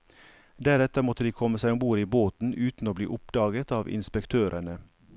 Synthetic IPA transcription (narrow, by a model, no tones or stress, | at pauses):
d̪æɾɛt̪əmɔt̪əd̪iːkʰɔməsæɪobuːɾiːboːt̪n̩ʔʉːt̪n̩oːblḭːʔʊpd̪ɑːɡət̪ɑːʋɪ̰nspɛkt̪ʰøːɾʔəɳə